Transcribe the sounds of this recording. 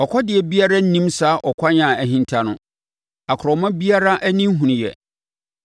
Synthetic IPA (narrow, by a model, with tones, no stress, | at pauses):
ɔ˨kʷʰɔ˦dɪ˨ɛ˨bi˦a˦ɾa˦n̩˦nĩ˦msa˦ʔɔ˨kʷʰa˦ɲã˨æ˨ɦĩ˦ntʰa˦nʊ̃˦ | a˨kʰɾɔ˨mã˦bi˦a˦ɾa˦ʔæ˦nĩ˦m˦ɦũ˨ñ˨jɛ̰˨